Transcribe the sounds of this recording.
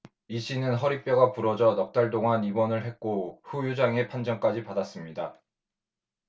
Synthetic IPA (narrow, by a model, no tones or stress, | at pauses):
iɕ͈ʰinɯnɦʌɾip͈jʌɡapuɾʌd͡ʑʌnʌk̚t͈aɭt͈oŋanibʌnɯɭɦe̞k̚k͈oɸujud͡ʑaŋe̞pʰand͡ʑʌŋk͈ad͡ʑipadas͈ɯmɲida